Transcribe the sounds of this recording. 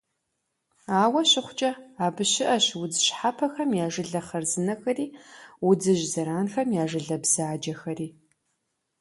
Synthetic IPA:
aːwɐɕɪχʷt͡ʃʼɐaːbɨɕɪʔɐɕwʊdɨɕħapʰɐxɐmjaːʒɨɮɐχɐrzɨnɐxɐriːwʊd͡zɨʑzɐɾaːnxɐmjaːʒɨɮɐbz̥aːd͡ʒɐxɐriː

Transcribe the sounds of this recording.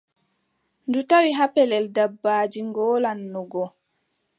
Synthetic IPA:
ndutawiɦapɛlɛldabːaːd͡ʒiŋɡɔːlanːɔɡɔ

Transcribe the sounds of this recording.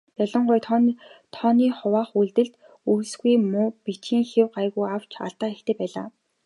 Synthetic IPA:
jaɮɞ̆ɴɢʊjt̪ʰɔnt̪ʰɔːniːχʊwaːχuɮt̪ɘ̆ɮt̪ | uwsɣujmʊːpit͡ɕiːŋxewɢajɣujaw̥t͡ɕʰa̰ɮt̪aːekt̪ʰeːpæːɮa̰ː

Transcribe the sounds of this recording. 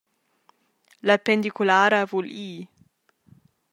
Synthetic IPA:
lapend̪ikulaːɾavuliː

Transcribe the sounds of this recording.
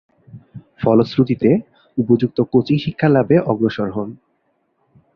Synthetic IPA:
fɔlosɾut̪it̪e | upod͡ʑuk̚t̪okot͡ɕiʃikʰːalabeʔɔɡɾoʃoɾɦɔn

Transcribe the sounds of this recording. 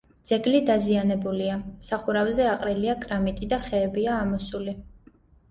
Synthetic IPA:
d̪z̥ɛɡlid̪azianɛbuliasaχuɾavzɛaqʼɾiliakʼɾamit̪ʼid̪aχɛːbiaːmɔsuli

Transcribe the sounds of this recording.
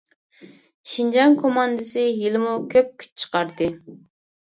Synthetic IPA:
ʃind͡ʒɑŋkʰomɑnd̪ɨsɨjilɪmukʲʰøp̚kʲʰy̥t͡ʃt͡ʃʰə̥qɑɾd̪ɨ

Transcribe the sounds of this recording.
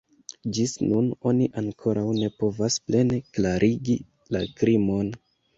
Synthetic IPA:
d͡ʒisnuno̞niʔaŋkʰo̞ɾʔawne̞po̞vasple̞ne̞klaɾʔiɡi | lakɾimo̞n

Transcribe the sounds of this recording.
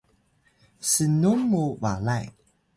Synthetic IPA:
sənumːuvalaj

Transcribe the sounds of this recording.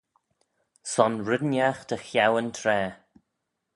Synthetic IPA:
sɔnɹɪd̪njaxt̪ʰəxjawənt̪ʰɾɛː

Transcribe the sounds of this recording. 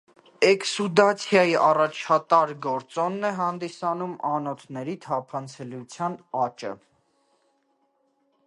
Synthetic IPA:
ɛksud̪ɑt͡sʰjɑjiʔɑrɑt͡ʃʰɑt̪ɑɾɡɔɾt͡sɔnːɛɦɑnd̪isɑnumɑnɔt̪ʰnɛɾit̪ʰɑpʰɑnt͡sʰɛljut͡sʰjɑnɑt͡ʃə̰

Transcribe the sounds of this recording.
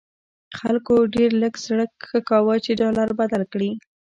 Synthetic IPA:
xalkoɖeɾləɡsɽəkxəkawət͡ʃeɖɑlaɾbad̪alkɽi

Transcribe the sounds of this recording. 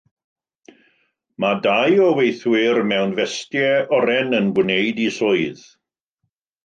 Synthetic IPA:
madajɔwejθwɪrmɛwnvɛstjɛɔɾɛnənɡwnejdisʊɨð

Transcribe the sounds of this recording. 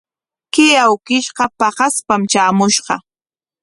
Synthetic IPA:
kɪjawkɪʃɢɑpɑhɑspamt͡ʃaːmʊʃɢɑ

